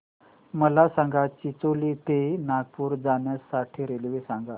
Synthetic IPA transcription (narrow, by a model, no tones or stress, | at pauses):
məlasaŋɡat͡ɕit͡soliːt̪enaɡ̚puːɾd͡zanjasaʈʰiːɾelʋisãŋɡa